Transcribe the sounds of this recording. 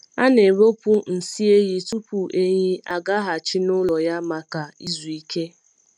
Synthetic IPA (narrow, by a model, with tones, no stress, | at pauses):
a˦ne˨ɾo˦pu˦n̩˨si˦e˦ɣɪ˦tu˦pu˨ʔe˦ɲi˦a˦ɡa˦ɦa˨t͡ʃɪ˦nʊ˦lɔ˨ja˦ma˨ka˨i˦zu˨i˦ke˦